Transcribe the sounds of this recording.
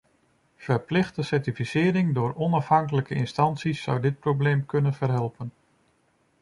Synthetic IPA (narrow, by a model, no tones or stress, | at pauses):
v̥əɹplɪχtdəsɛɹtifisɪːɾɪŋdʊːɹɔnɑfɦɑŋkələkəɪnstɑntsisːʌwdɪt̚prowblejmkɵnənvəɹɦɛlˠpən